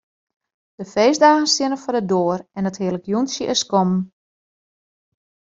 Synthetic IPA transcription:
d̥əfeːzdaːɣən̩sjɪnəfɔdədoːrɛnəthiələkjunsjəʔɪskɔm

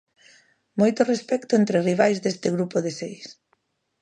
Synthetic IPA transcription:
mojt̪ʊrespɛkt̪ʊent̪ɾɪriβ̞ajzd̪est̪ɪɣɾupoðesejs

